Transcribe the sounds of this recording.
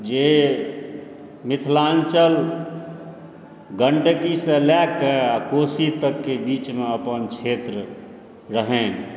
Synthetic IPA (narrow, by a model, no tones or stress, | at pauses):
d͡ʒe | mɪt̪ʰlãnt͡ʃəl | ɡəɳɖkisẽlɛkːeakosit̪əkːebit͡ʃmeəpənt͡ʃʰet̪ɾə | ɾəɦẽn